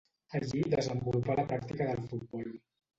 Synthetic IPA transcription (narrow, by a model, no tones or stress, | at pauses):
əʎid̪əzəmbulupaləpɾak̚t̪ikəðəlˠfut̪̚bɔl